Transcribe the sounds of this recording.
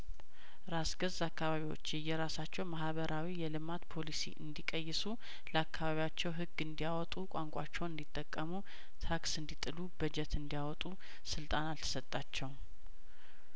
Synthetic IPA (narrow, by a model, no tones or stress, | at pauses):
ɾasɡəzakːaβaβiwo̰t͡ʃːɨjɛɾasat͡ʃːɛwmahβəɾʔawijɛlɨmat̪pʰo̞lisḭʔɨ̰nd̪ikʼəjːsu | ləakːaβaβijat͡ʃːɛwɦɨɡːɨnd̪ijawɔt̪ʼukʷʼaŋkʷʼat͡ʃːɛwɨnd̪it̪ʼːəkʼːəmu | t̪ʰaksɨnd̪it̪ʼɨlubəd͡ʒɛt̪ɨnd̪ijawɔt̪ʼu | sɨlt̪ʼanalt̪ʰə̥sət̪ʼːat͡ʃːɛw